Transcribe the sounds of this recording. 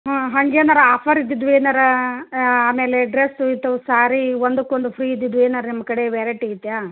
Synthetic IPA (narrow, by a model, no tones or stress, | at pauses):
ɦãːɦɐŋɡeːnɐɾɐaːpʰɐɾid̪ːid̪ʋueːnɐɾɐ | aːmeːleɖɾesuit̪ːɐʋsaːɾiʋond̪ukːond̪upʰɾiːid̪ːid̪ueːnɐɾɐnimːɐkɐɽeʋeːɾɐʈiɡit̪ːjaː